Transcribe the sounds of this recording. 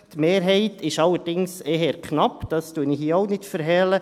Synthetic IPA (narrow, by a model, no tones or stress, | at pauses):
t̪meːɾɦɛɪtʰɪʃɑlːəɾdɪŋsɛɦɛɾkχnɑpd̥ɑstuənɪhiːoʊnɪtfəɾɦɛlə